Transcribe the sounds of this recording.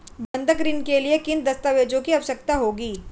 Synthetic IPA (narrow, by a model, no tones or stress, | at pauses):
bɐ̃nd̪ʱəkɾiːnkeliekɪnd̪ɐst̪aʋeːd͡ʒõkiɐʋəʃək̚t̪aɦoːɡiː